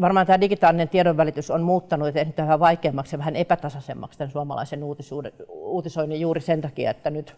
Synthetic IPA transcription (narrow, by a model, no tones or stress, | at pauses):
ʋɑrmɑːnt̪æːdikit̪ɑːlːinent̪iedoʋʋælit̪ysonmuːt̪ːɑnuet̪ːesnit̪æʋæhæʋɑikeːmːɑksjɑʋæhænepæt̪ɑsɑsḛmːɑ̰kst̪ænsuɑmɑ̰lɑ̰isenuːt̪isuːdeuːt̪isoinijuːrisent̪ɑkiɑ̰et̪ːænyt̪